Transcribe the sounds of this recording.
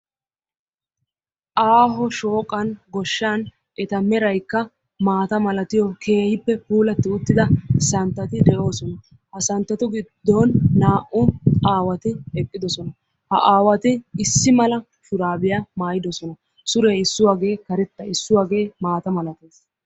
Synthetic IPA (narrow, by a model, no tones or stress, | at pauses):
ʔaːɦɔʃo̞ːkʼːɐnɡɔʃːaːn | ʔɛt̪ɐmɛɾɐjkːɐ | maːt̪ɐmɐlɐt̪ɪjɔkʰe̞ːhɪpːɛpuːlɐt̪ːɪʊt̪ːɪd̪ɐsɐnt̪ːɐt̪ɪd̪ɛʔo̞ːsɔnɐ | hɐsɐnt̪ːɐt̪ɔɡɪd̪ːɔnːaːʔʊʔaːwɐt̪ɪhɛkʼːɪd̪ɔsɔnɐ | hɐʔaːwɐt̪ɪɪsːɪmɐlɐ | ʃʊɾaːbɪjaːmaːjɪd̪ɔsɔnɐ | sʊɾeːɪsːʊwaːɡe̞ːkɐɾɛt̪ːɐɪsːʊwaːɡe̞ːmaːt̪ɐmɐlɐt̪e̞ːs